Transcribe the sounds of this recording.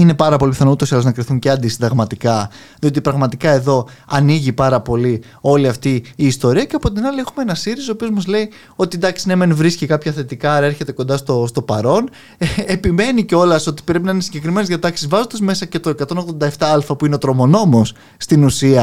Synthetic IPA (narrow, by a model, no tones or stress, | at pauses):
ine̞pɐɾɐpo̞lipiθɐnout̪o̞siɐloznɐkɾiθuɲceɐnd̪isid̪ɐɣmɐt̪ikɐ | ðio̞t̪ipɾɐɣmɐt̪ikɐe̞ðo̞ɐniʝipɐɾɐpo̞li | o̞liɐft̪iːst̪o̞ɾiɐceɐpo̞t̪̬inɐliexumeenɐsiɾisoːpiozmɐzle̞i | o̞t̪id̪ɐksinemenvɾiscikɐpçɐθe̞t̪ikɐɐɾɐe̞ɾçe̞t̪e̞ko̞nd̪ɐst̪o̞st̪o̞pɐɾo̞n | epime̞niceo̞lɐso̞t̪i̥pɾe̞pinɐinesiɲɟekɾime̞nezðjɐt̪ɐksizvɐzo̞nd̪ɐzme̞sɐce̞t̪o̞e̞kɐt̪o̞no̞ɣðond̪ɐeft̪ɐɐlfɐpuineot̪ɾo̞mo̞no̞mosː | t̪inusiɐ